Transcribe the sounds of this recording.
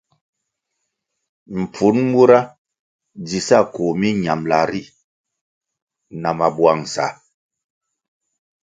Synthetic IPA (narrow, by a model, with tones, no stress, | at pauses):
m̩˨pu˨˦nmu˦ɾa˦ | d͡zi˨sa˦˨ko˨mi˦ɲa˨mla˨ɾi˦˨ | na˨ma˨bwa˨ŋ˨sa̰˨